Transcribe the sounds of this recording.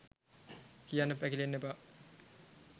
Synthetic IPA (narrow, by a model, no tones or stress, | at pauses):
kijanːəpːækilenːeba